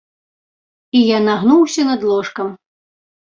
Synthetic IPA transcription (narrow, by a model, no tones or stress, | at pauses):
ijanaɣnuwsʲɐnɐd̪lˠɔʂkɐm